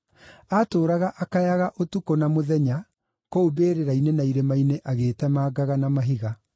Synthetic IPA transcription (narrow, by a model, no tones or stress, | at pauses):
atoːɾaɣaʔakajaɣaʔotukonamoðɛɲa | koobeːɾeɾainenaiɾemaineʔaɣeːtɛmaːɡaɣanamaɦiɣa